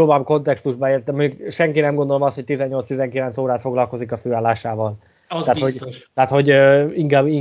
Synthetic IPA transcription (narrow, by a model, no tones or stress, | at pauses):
oːbamko̞nt̪ɛkst̪uʒbɒeːrt̪ɛmːøːkʃɛŋkinɛmɡond̪olomɒst̪ho̞c̚t̪izɛɲːo̞lt̪st̪izɛŋkilɛnt̪soːɾaːt̪fo̞ɡlɒlko̞zikɒføːaːlːaːʃaːvɒl | aːt̪hot̪ɛaːt̪ho̞ɟøiŋkaːbiŋ